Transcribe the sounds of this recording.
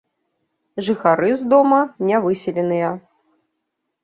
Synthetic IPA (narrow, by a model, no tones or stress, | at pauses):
ʐɨxaɾɨzd̪ɔmɐnʲɛvɨsʲilʲɛnɨjɐ